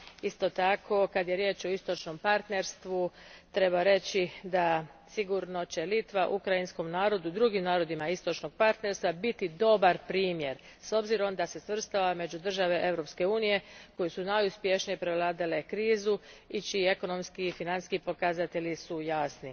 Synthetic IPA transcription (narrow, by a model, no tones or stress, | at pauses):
ist̪o̞t̪akʰo̞kad̪je̞ɾje̞ːt͡ʃo̞ist̪o̞t͡ʃno̞mpaɾt̪ne̞ɾst̪ʋut̪ɾe̞baɾe̞t͡ɕid̪asiɡuɾno̞t͡ɕe̞lit̪ʋaʔukɾajinsko̞mnaːɾo̞d̪ud̪ɾuɡimnaːɾo̞d̪imaist̪o̞t͡ʃno̞ɡ̥̚paɾt̪ne̞ɾst̪ʋabit̪id̪o̞baɾpɾiːmje̞ɾ | so̞bziɾo̞md̪ase̞sʋr̩st̪aʋame̞d͡ʒud̪r̩ʒaʋe̞ʔe̞vɾo̞pske̞uːnije̞ko̞jesunajuspje̞ʃnijepɾeʋlˠaːd̪ale̞kɾiːzuit͡ʃiie̞ko̞no̞mskiifinanskipo̞kazat̪e̞ʎisujasni